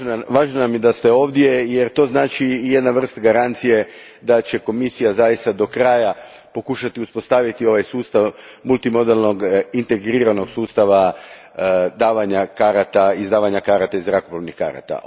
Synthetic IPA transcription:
ʋaːʒnonamjed̪ast̪eo̞ːʋd̪je̞jeɾt̪o̞ːznaːt͡ʃiːje̞d̪naʋr̩st̪aɡaɾant̪sije̞ | d̪at͡ɕe̞ko̞misijazajist̪ad̪o̞kɾaːja | po̞kuʃat̪iuspo̞st̪aʋit̪io̞ʋajsuːst̪aʋmulˠt̪imo̞d̪elno̞ɡint̪e̞ɡɾiːɾano̞ɡsuːst̪aʋa | d̪aːʋaɲakaɾat̪aizd̪aːʋaɲakaːɾat̪aizɾakoploʋnixka̰ːɾa̰t̪a̰

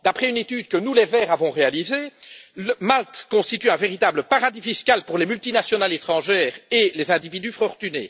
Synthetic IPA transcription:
d̪apχɛynet̪yd̪̚kənulevɛːʁavɔ̃ʁealizeləmalt̪kɔ̃st̪it̪yɛ̃veʁit̪aːbləpaʁad̪ifiskʲalpuʁlemylt̪inasjɔnalet̪χɑ̃ʒɛːʁelezɛ̃d̪ivid̪yfɔʁt̪ynḛ

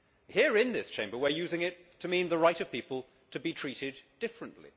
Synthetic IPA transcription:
hiɹɪ̃nðɪst͡ʃʰẽɪ̃mbə˞wə˞jʉzɪ̃ŋɪtʰɨmĩnðəɹaɪɾʌv̥pipəlˠ | tʰɨbitʰɹ̥iɾɪdd̥ɪfɹɨ̃nʔlḭ

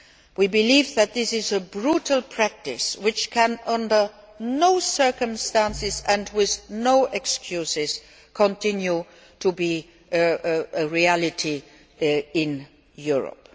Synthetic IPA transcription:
wibɪliːvðæt̪̚ðɪsɪzəbɹutʰəlˠpʰɹæk̚tɪswɪt͡ʃkʰæ̃nʌ̃ndə˞ | noʊsɜ˞kə̃mstæ̃nsɪzæ̃ndwɪðnoʊʔɛkskʰjusɪz | kʰɔ̃ntʰɪ̃nju | tʰubi | əɹiælɪtʰi | ɪ̃n | juɹə̰p

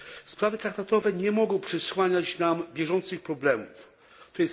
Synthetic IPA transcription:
spɾavɘt̪ɾak̚t̪at̪ɔvɛɲɛmɔɡɔ̃w̃pʂɛswaɲat͡ɕnambʲjɛʐɔnt̪sɨxpɾɔblɛmuf | t̪ɔjɛs

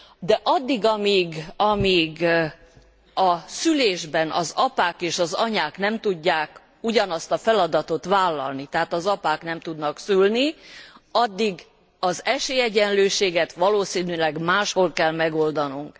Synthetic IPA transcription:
d̪ɛʔɒd̪ːiɡɒmiːɡɒmiːɡ | ɒsyleːʒbɛnʔɒ̰zɒpaːkeːʃɒzɒɲaːknɛmt̪uɟːaːk | uɟɒnɒst̪ɒfɛlɒd̪ɒt̪o̞t̪ʋaːlːɒ̰lnit̪ɛɦat̪ɒzɒpaːknɛmt̪ud̪nɒksylni | ɒd̪ːiɡ | ɒzɛʃeːjɛɟɛnløːʃeːɡɛt̪ʋɒloːsiːnylɛɡmaːʃho̞lkɛlmɛɡo̞ld̪ɒnuŋk

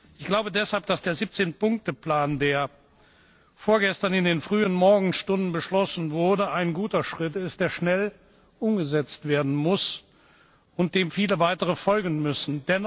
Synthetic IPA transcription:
ʔɪçɡ̥laʊbədɛshalp̚d̥asd̥eːɐziːp̚t͡seːnpʊŋk̚təpl̥aːndeːɐ | foːɐɡɛstɐnɪndeːnfʁ̥yːənmɔɐɡŋ̩ʃtʊndn̩bəʃlɔsn̩vʊɐdəʔaɪnɡuːtɐʃʁ̥ɪtɪst̚d̥eːɐʃnɛl | ʔʊmɡəzɛt͡stv̥eːɐdn̩mʊs | ʊnt̚d̥eːmfiːləvaɪtəʁəfɔlɡn̩mʏsn̩d̥ɛn

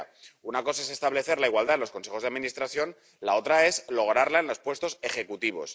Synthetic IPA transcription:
unako̞sae̞se̞st̪aβle̞θe̞ɾlaiɣwald̪aenlosko̞nse̞xo̞zðaðmĩnist̪ɾaθjo̞n | lao̞t̪ɾae̞zlo̞ɣ̞ɾaɾlaenlo̞spwe̞st̪o̞se̞xe̞kut̪iβ̞o̞̰s

